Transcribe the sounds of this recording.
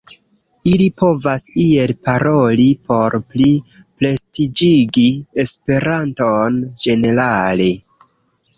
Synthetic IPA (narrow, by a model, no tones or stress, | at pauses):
ilipo̞vasie̞lpaɾo̞lipo̞ɾpli | ple̞stid͡ʒiɡie̞spe̞ɾantond͡ʒe̞ne̞ɾale̞